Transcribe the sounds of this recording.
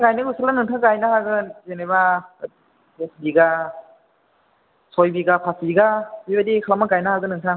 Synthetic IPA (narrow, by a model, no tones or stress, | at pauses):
ɡajnɯɡusalanɯŋtʰaɡajnaɦaɡɯzenaba | desbiɡa | sɔjbiɡapʰasbiɡabibadikʰlamaɡajnaɦaɡɯnɯŋtʰa